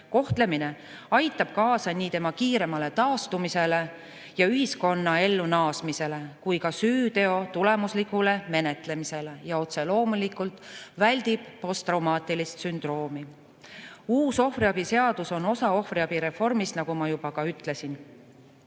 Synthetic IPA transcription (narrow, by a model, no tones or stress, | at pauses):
ko̞ht̪le̞mine̞ | ɑjt̪ːˑɑb̥̚kɑːsɑniːt̪e̞mɑkiːɾe̞mɑle̞t̪ɑːst̪umise̞le̞ | jɑyɦisko̞nːɑe̞lːunɑːsmise̞le̞kujkɑsyːt̪e̞o̞t̪ule̞muslikˑule̞me̞ne̞t̪le̞mise̞le̞jɑo̞t̪se̞lo̞ːmulikˑult̪ˑvælʲd̪̥ib̥po̞st̪rɑwmɑːt̪ilist̪synd̪̥ro̞ːmi | uːso̞friɑb̥ise̞ɑd̪uso̞no̞sɑo̞hfriɑb̥iɾe̞fo̞rmisnɑɡ̥umɑjub̥ɑkɑyt̪ːle̞sin